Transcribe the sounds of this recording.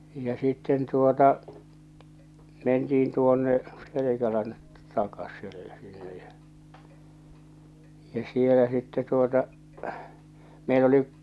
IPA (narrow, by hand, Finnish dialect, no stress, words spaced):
jɑ sitːen tuotɑ mentiːn tuonːe selekælæn tɑkɑsˑelːe sinːe jɑ jɑ̟ sielæ sitːɛ tuotɑ meil oliʔ